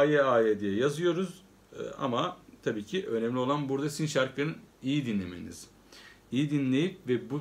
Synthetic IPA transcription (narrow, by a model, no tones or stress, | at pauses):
eaed̪ijɛjazɯjo̞ɾuz | a̰mat̪ʰabiːcʰiʔø̞nɛmlʲio̞lˠanbuɾd̪asinʃaɾkɯnɯnijid̪inlʲemḛnḭz̥ | ijid̪inlʲe̞jipvɛbu